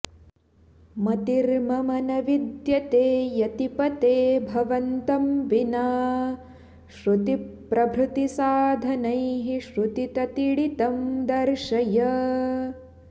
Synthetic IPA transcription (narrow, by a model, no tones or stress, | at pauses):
mɐt̪iɾmɐmɐnɐʋid̪jɐt̪eːjɐt̪ipɐt̪eːbʱɐʋɐnt̪ɐmʋinaː | ʃɾut̪ipɾʔɐbʱɾut̪isaːd̪ʱɐnɐjɦiʃɾut̪it̪ɐt̪iɽit̪ɐmd̪ɐɾʃɐjɐ